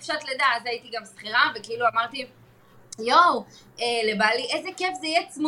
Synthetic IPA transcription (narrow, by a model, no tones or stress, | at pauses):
fʃat̪led̪aazajit̪iɡamsχiʁave̞keiluamaʁt̪i | jow | elebaliʔe̞zekefzeijet͡sm